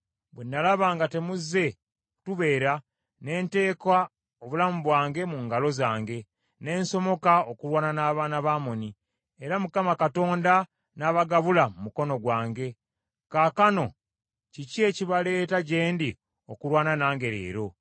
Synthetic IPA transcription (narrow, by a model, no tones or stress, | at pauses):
bwenːalaβaːŋɡate̞muzːe̞ | ku̥tuβe̞ːɾa | ne̞ːnte̞ːkwa | oβulamuβwaːŋɡe̞muːŋɡalo̞zaːŋɡe̞ | ne̞ːnso̞mo̞kaokuɾwaːnanaːβaːnaβaːmo̞ni | eɾamukamakato̞ːnda | naːβaɡaβulamumuko̞no̞ɡwaːŋɡe̞ | kaːkano̞ | cicie̞ːciβale̞ːtaɟe̞ːndi | o̞kuɾwaːnanaːŋɡe̞ɾḛːɾo̞